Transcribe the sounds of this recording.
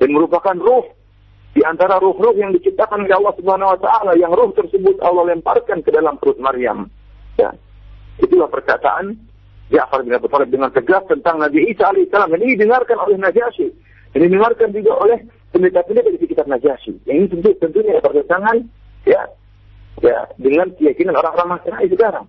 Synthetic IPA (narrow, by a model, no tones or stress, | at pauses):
danməɾupakanrʊh | diant̪aɾaɾʊhrʊhjaŋdit͡ʃip̚t̪akanolɛɑlːɑhsubəhanawat̪aʔalajaŋrʊht̪ərsəbʊt̪ɑ̰lːɑhlɛmpa̰rkankədalampəɾʊt̪̚maɾia̰m | ja̰ | it̪ulahpərkat̪a̰ʔan | d͡ʒaʔfarbinabit̪ɔlɪp̚dəŋant̪əɡast̪ənt̪aŋnabiisaːlaisalamdaninidəŋarkanolɛhnad͡ʒaʃi | dandidəŋarkand͡ʒuɡaʔolɛh | pəmbit̪akandiabadisikit̪ap̚nad͡ʒaʃḭinit̪ənt̪ut̪ənt̪uɲaapərɡəsaŋan | ja̰ | ja̰dəŋankəjakinanoɾaŋoɾaŋmasənaisəkaɾa̰ŋ